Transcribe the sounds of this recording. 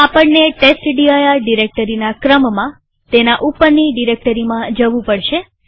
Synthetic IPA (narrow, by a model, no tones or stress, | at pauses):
apəɳːeʈesʈɖiajaɖiɾek̚ʈəɾinakɾəmmã | t̪enaʔupːəɾniɖiɾek̚ʈəɾimãd͡ʒəʋũpəɽʃe